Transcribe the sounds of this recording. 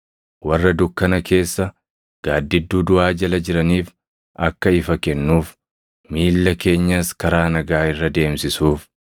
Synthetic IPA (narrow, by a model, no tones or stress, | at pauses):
wɐrːɐd̪ʊkːɐnɐke̞ːsːɐ | ɡ̥aːd̪ːɪd̪ːuːd̪ʊaːd͡ʒɐlɐd͡ʒɪɾɐniːf | ʔɐkːɐɪfɐkɛnːuːf | miːlːɐke̞ːɲːɐskɐɾaːnɐɡaːɪrːɐd̪e̞ːmsɪsuːf